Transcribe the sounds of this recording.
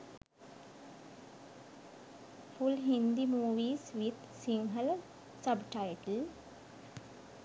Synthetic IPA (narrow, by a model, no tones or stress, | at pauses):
fulɦĩnd̪imuːʋiːzʋid̪ | sĩŋɡəl | səbʈaɪʈl